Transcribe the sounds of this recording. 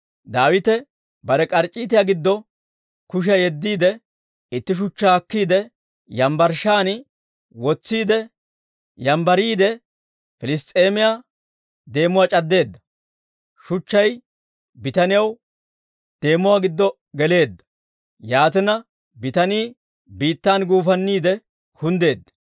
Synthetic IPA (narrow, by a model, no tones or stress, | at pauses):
d̪aːwɪt̪ɛ | bɐɾɛkʼɐɾt͡ʃʼiːt̪̬ɪjaːɡɪd̪ːɔ | kʊʃ̬ɐjɛd̪ːiːd̪ɛ | ɪt̪ːɪʃ̬ʊt͡ʃːaɐkːiːd̪ɛ | jɐmbɐɾʃaːn | wɔt͡sːiːd̪ɛ | jɐmbɐɾiːd̪ɛ | fɪlɪs̬t̪ʼe̞ːmɪja | d̪e̞ːmʊwaːt͡ʃʼɐd̪ːe̞ːd̪ːɐ | ʃʊt͡ʃːɐj | bɪt̪ɐnɪjɐw | d̪̥e̞ːmʊwaːɡɪd̪ːɔ | ɡɛle̞ːd̪ːɐ̥ | jaːt̪ɪnɐ | bɪt̪ɐniː | biːt̪ːaːnɡuːfɐnːiːd̪ɛ | kʰʊnd̪e̞ːd̪ːɐ̥